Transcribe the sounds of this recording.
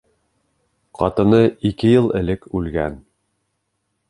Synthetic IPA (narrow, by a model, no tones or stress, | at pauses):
qɑt̪ɤ̆nɤikɘjɤlˠɘ̆lɘkʉlɡæn